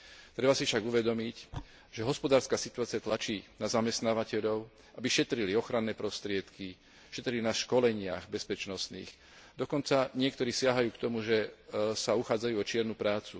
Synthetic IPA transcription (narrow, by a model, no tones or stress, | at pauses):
t̪ɾɛbasifʃaɡuʋɛd̪ɔmic | ʒ̥ɛɦɔspɔd̪aːɾskaːsit̪uaːt͡siat̪lat͡ʃiːnazamɛst̪naːʋacɛʎɔʊ | ʔabiʃɛt̪ɾiliɔxɾanːɛːpɾɔst̪ɾɪɛt̪ki | ʃɛt̪ɾilinaʃkɔlɛɲɪaɣbɛspɛt͡ʃnɔsnḭːx | d̪ɔkɔnt͡saɲɪɛk̚t̪ɔɾiːsɪaɦajuːkt̪ɔmuʒɛsauxaːd͡zajuːɔt͡ʃɪɛɾnupɾaːt͡su